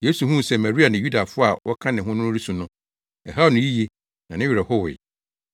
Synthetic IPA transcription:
je˦su˨hũ˦˨sɛ˨mɛ˨ɾi˦a˨nɪ̃˨ju˦da˨fʊ˦a˨wɔ˦kʰã˦nɪ̃˨ɦʊ̃˦nʊ̃˦nʊ˦ɾi˦sũ˨nʊ̃˦ | ɛ˨ɦa˦˨nʊ̃˨ji˦ji˦ | nã˨nɪ̃˦ɥi˨ɾɛ˨hɔ˦wʊ̰˨

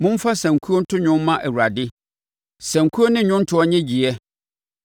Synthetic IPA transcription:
mʊ̃˦m˦fa˦sæ̃˨ŋ˨kʰu˦o˦n̩˦tʰʊ˦ɲᶣʊ̃˦m˦mã˦ʔɛ˨wu˨ɾa˨dɪ˦ | sæ̃˨ŋ˨kʰu˦o˦nɪ̃˦ɲᶣʊ̃˦n̩˦tʰʊ˦ɔ˦ɲɛ̃˦d͡ʑi˨ɛ˦

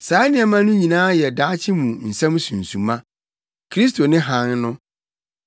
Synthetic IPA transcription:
saː˨˦nɪ̃˨ɛ˨mã˦nʊ̃˦ɲĩ˨nãː˦jɛ˨daː˨˦t͡ɕʰɪ˦mũ˨n̩˨sɛ̃˦m˦sũ˨n̩˨sũ˨mã˦ | kʰɾi˦s̬tʰo˨nɪ̃˦ɦã˨˦nnʊ̃˦

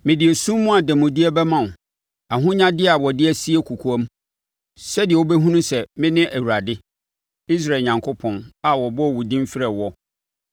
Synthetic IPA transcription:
mɪ̃˨dɪ˨e˨sũ˦mː˦ʊ̃˦a˨dɛ˨mʊ̃˨di˦ɛ˦bɛ˦mã˦˨nʊ̃˨ | a˨ɦʊ̃˦ɲã˦dɪ˦a˨wɔ˨dɪ˦æ˨si˦ɛ˦kʰu˨kʰu˨a˦m˦ | sɛ˦dɪ˨ɛ˨wo˦bɛ˦ɦũ˦nũ˦sɛ˨mɪ̃˦nɪ̃˦ʔæ˨wu˨ɾa˨dɪ˦ | i˦s̬ɾa˨ɲã˨ŋkʰʊ˦pʰɔ̃˦na˨wɔ˨bɔ˦˨wu˨dĩ˦m˦fɪ˦ɾɛ˨wɔ˦

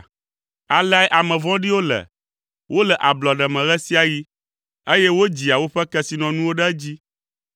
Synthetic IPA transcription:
a˨la˦ɛ˦ʔa˨mɛ̃˨vɔ̃˦ɖi˦wo˦lɛ̰˨ | wʔo˦lɛ˨ʔa˨blɔ˨ɖɛ˨mɛ̃˨ɣɛ˦si˦a˨ji˦ | e˦jɛ˦wo˦d͡ʑi˨a˨wo˦ɸɛ˦kɛ˦si˨nɔ̃˨nũ˦wo˦ɖɛ˦d͡ʑi˦

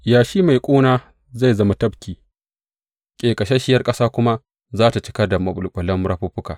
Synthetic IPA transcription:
jaː˨ʃiː˦ma˨jkʷʼuː˦naː˦ | za˦˨jzɐ˦ma˨tɐ˦bkʲiː˨ | kʲʼeː˨kʼɐ˨ʃe˦ʃɪ˦jɐ˦rkʼɐ˦saː˦kʷʊ˦ma˦ | zaː˦ta˨t͡ʃɪ̥˦kɐ˦da˨mɐ˨bʼʊ˨lkʷʼʊ˨lɐ˦mɾa˦ɸʊ˦ɸʊ˦kaː˨

